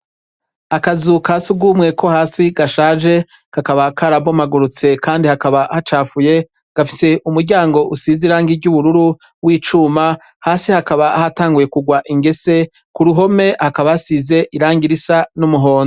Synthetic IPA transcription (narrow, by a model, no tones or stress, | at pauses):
akazukʰasuɡuːmŋe̞ko̞haːsiɡaʃaːʒe̞ | kakaβakʰaɾabo̞maɡuɾut͡se̞kaːndihakaβahat͡ʃaːfuje̞ | ɡ̥afise̞ʔumuɾɟaːŋɡo̞ʔusiziɾaːŋɡiɟuβuɾuɾu | wiːt͡ʃuːma | haːsihakaβahataːŋɡuje̞kuɡwaʔiŋɡe̞se̞ | kuɾuɦo̞me̞hakaβaasize̞ʔiɾaːŋɡiɾisanumuɦo̞ːnzo